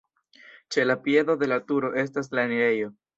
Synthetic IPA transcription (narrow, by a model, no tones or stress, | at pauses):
t͡ʃe̞lapie̞do̞de̞latuɾo̞ʔe̞s̬tas̬laniɾe̞jo̞